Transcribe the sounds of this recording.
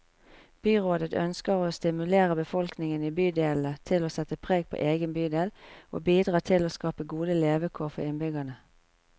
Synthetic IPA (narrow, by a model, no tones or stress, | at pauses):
b̥yːʁoːd̪ət̪œ̰nskəʁoːst̪ɪmʉleːʁəbəfɔlknɪŋəniːbyːd̪eːlət̪ʰɪloːsɛt̪əpʰʁeːɡ̚pʰo̰ːʔeːɡənbyːd̪eːlʔo̰ːbiːd̪ʁɑːt̪ʰɪloːskɑːpəɡuːd̪əleːʋəkʰoːʁfɔ̰ʁɪnbʏɡɑnə